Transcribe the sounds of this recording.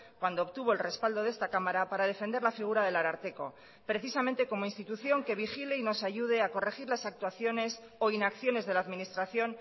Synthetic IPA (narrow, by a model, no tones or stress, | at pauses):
kwand̪oːpt̪uβ̞o̞elre̞spald̪o̞ð̞e̞st̪akamaɾapaɾað̞e̞fend̪e̞ɾlafiɣ̞uɾað̞e̞laɾaɾt̪e̞ko̞̰ | pɾe̞θisamẽ̞nt̪e̞ko̞mo̞inst̪it̪uθjo̞ŋke̞β̞ixile̞ino̞saʝuð̞e̞ako̞re̞xiɾlasak̚t̪waθjo̞ne̞s | o̞inakθjo̞ne̞zð̞e̞laːðminist̪ɾaθjo̞n